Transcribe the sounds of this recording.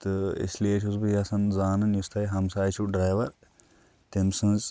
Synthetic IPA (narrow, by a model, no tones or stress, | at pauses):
t̪ɨḭslijet͡ʃʰuzbɨjɐsɐnzaːnɨnjust̪ʰɐjɦɐmsaːjt͡ʃʰuɖɾaːjʋɐɾ | t̪imsɨ̃nz